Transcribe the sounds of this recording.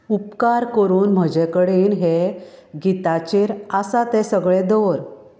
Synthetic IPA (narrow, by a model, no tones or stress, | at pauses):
upkaɾkəɾuːnm̤əd͡ʑekəɽenɦeɡit̪at͡ɕeɾasat̪ɛ̃səɡɭẽd̪ɔɾ